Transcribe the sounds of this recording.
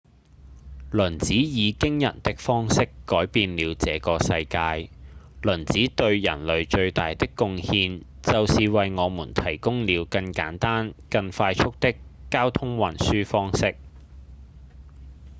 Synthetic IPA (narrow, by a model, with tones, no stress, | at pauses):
lɵ˨˩nt͡siː˨˥jiː˨˧kɪ˥ŋjɐ̰˨˩nt̪ɪ˥k̚fɔː˥ŋsɪ˥kːɔː˨˥jpiː˧nliː˨˧wt͡sɛː˨˧kɔː˧sɐ˧jkaː˧jlɵ˨˩nt͡siː˨˥t̪ɵ˧ɥjɐ̰˨˩nlɵ˨ɥt͡ʃɵ˧ɥt̪aː˨jt̪ɪ˥kːʊ˧ŋhiː˧n | t͡sɐ˨wsiː˨wɐ˨jŋɔː˨˧muː˨˩nt̪ʰɐ˨˩jkʊ˥ŋliː˨˧wkɐ˧ŋka̰ː˨˥nt̪aː˥nkɐ˧ŋfaː˧jt͡ʃʰʊ˥k̚t̪ɪ˥kːaː˥wt̪ʰʊ˥ŋwɐ˨nsyː˥fɔː˥ŋsɪ˥k̚